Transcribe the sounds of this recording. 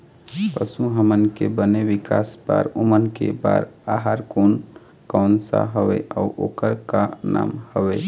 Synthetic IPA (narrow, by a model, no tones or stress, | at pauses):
pəsuɦəmənkebəneʋikasba̰ɾomənkḛbaːɾaɦaɾkon | kaʊnsa̰ɦəʋḛʔauʔokəɾkana̰ːmhəʋe